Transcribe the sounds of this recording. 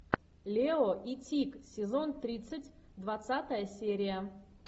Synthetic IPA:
lʲeoʔitʲiksʲɪzo̞nt̪ɾʲit̪sɨtʲd̪vɐt̪sat̪əjəsʲeɾʲɪjə

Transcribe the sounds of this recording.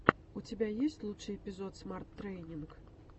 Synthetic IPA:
ut͡sʲabʲajesʲt͡sʲlˠut͡ʂɨɛpʲizɔt̪smart̪ːɾɛjnʲink

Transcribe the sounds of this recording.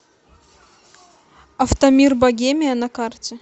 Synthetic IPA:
ɐft̪ɐmʲirbɐɡʲemʲɪjɐnɐkartʲɪ

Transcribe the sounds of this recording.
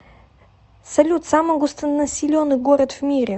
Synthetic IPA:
sɐlʲut̪samɐɡost̪ɐnnɐsʲilʲɔnɨɡɔɾʲət̪fmʲiɾʲɛ

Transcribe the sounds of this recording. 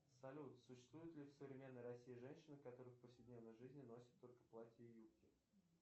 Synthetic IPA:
sɐlʲut̪sʊɕːɪ̥st̪vujɪt̪lʲɪfsəvɾʲɪmʲe̞nːəjrɐsʲːijɪʐɛnʲɕɪnəkɐt̪o̞ɾɨxfpəfsʲɪdʲnʲevnəjʐɨzʲnʲɪno̞sʲɪ̥t̪ːo̞lʲkə̥plˠatʲəjupkʲɪ

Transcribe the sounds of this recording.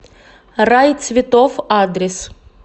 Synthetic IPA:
rajt̪sʲvʲɪt̪ofad̪ɾʲɪs

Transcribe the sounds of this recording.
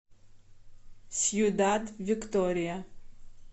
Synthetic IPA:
sjudatvikt̪oɾija

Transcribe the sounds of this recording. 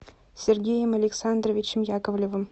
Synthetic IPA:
sʲerɡʲejɪmɐlʲeksand̪rovʲit͡ʃɪmjakovlʲovɨm

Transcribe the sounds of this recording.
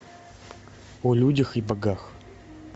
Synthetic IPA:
ɔlʲudʲəxibɐɡax

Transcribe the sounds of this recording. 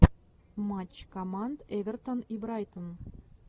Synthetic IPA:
mɑt͡ɕkomɑnd̪eʋʲĕrt̪ŏnibɾɑjt̪ŏn

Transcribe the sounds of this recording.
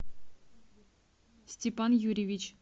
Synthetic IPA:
sʲtʲepanjuɾʲivʲit͡ɕ

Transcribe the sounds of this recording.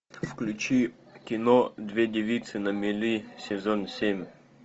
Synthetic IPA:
fklʲʉt͡ɕi | kʲɪnod̪vʲedʲɪvʲit̪sɨnəmʲɪlʲisʲɪzonsʲemʲ

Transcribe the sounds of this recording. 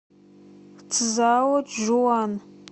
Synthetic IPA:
t͡sʰɨzaːwɐʒuwan

